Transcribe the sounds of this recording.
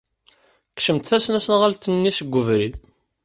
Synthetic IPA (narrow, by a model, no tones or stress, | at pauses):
kʃəmt̪θæsnæsənʁælt̪ənːisəɡʷːəvɾið